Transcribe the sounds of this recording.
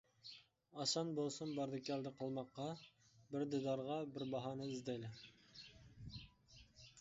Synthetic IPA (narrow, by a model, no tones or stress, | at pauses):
ɑʃɑnbolˠsʊnbɑɾd̪ɪkʲiɛld̪ɨqʰəlˠmɑqːɑbɪɾd̪ed̪ɑɾʁɑbɪɾbɑɦɑnɨizd̪ejlɪ